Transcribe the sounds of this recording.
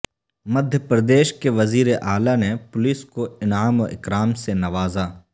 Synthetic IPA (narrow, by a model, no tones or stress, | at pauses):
mɐd̪ʱjəpɾəd̪eːʃkeʋɐziːɾeʔaːlanepʊlɪskoɪnaːmoɪ̰kɾaːmsenɐʋaːzaː